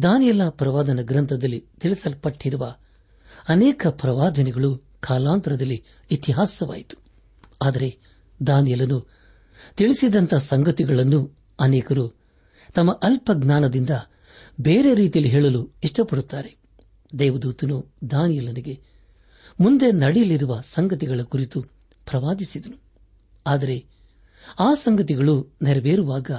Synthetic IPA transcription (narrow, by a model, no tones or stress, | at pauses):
d̪aːnjɐlɐpɾɐʋaːd̪ɐnɐɡɾɐnt̪ʰɐd̪ɐlːit̪iɭisɐlpɐʈːiɾuʋɐ | ɐnɛːkɐpɾɐʋaːd̪ʱɐnɛɡɐɭu | kʰaːlaːnt̪ɐɾɐd̪ɐlːiː | t̪iɦaːsɐʋa̰ːjit̪u̥ | aːd̪ɐɾe̞ | d̪aːnjɐlɐnu | t̪iɭisid̪ɐnt̪ʰɐsɐŋɡɐt̪iɡɐɭɐnːu | ɐnɛːkɐɾu | t̪ɐmːɐʔɐlpɐɡnaːnɐd̪ind̪ɐ | beːɾe̞ɾiːt̪ijɐliɦeːɭɐluiʂʈɐpːɐɽut̪ːaːɾe̞ | d̪ɛːʋɐd̪uːt̪ɐnud̪aːnijɐlɐniɡe̞ | mund̪e̞nɐɽijɐliɾuʋɐsɐŋɡɐt̪iɡɐɭɐkuɾit̪u | pɾɐʋaːd̪isid̪ɐnu | aːd̪ɐɾe̞ | aːsɐŋɡɐt̪iɡɐɭunɛɾɐʋeːɾuʋaːɡɐ